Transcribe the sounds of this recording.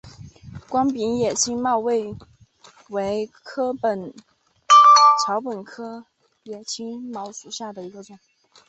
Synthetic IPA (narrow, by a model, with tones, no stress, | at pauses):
kwɑ˥ŋpi˧˥njɛ˨˩t͡ɕʰi˥ŋmɑ˥˧ʊwe˥˩ɪ | we˧˥ɪkʰɤ˥pə˨˩n | ʈ͡ʂʰɑ˧˥ʊpə˨˩nkʰɤ˥ | jɛ˨˩t͡ɕʰi˥ŋmɑ˧˥ʊʂu˨˩ɕja˥˩d̪ə˩i˧˥ɡə˧ʈ͡ʂə˨˩˦